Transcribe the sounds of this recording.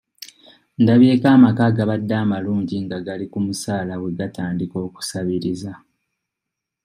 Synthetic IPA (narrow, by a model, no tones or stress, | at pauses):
ndaβje̞ːkaːmakaɡaβadːaːmaluːɲɟiŋɡaɡalikumusaːlaβwe̞ɡataːndiko̞ːku̥saβiɾiza